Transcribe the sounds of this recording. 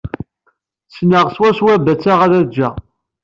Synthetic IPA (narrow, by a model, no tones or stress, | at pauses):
t͡sːnəʁswæswæbæt͡sːaʁaɾæd͡ʒːæ